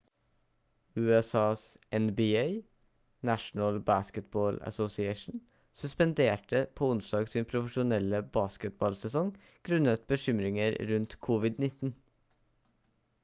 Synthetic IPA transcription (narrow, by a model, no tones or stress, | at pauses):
ʉːɛsɑːs | ʔɛnbɪeɪ | næʃn̩əlbæskət̪̚boːlə̰sɔsɪeɪʃn̩ | sʉspənd̪eːʈəpʰoːʊnsd̪ɑːɡsiːnpʰɾʊfəʃʊnɛləbɑːskət̪̚bɑlsɛsɔŋ | ɡ̥ɾʉnət̪̚bəʃʏmɾɪŋəɾɾʉnt̪kʰʊʋɪd̪nɪt̪n̩